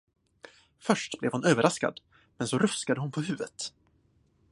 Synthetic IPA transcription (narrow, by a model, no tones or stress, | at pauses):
fœʂʈblɛvhʊnøːvəɾʔaska̰d̪ | mɛnsɔɾɵskad̪əhʊnpʰɔɦʉ̟ːvət̪